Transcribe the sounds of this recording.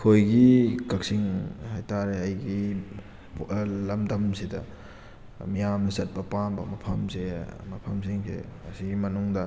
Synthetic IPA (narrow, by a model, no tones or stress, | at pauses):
kʰojɡikɐk̚siŋhajtaɾeɐjɡi | plɐmdɐmsidɐ | mijamnɐsɐt̚pɐpambɐmɐpʰɐmsemɐpʰɐmsiŋsḛɐsiɡimɐnuŋdɐ